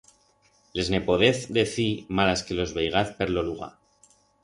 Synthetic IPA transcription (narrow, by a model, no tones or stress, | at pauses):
le̞zne̞po̞ðe̞θd̪e̞θimalaske̞lo̞zβe̞jɣ̞aθpe̞ɾlo̞luɣa̰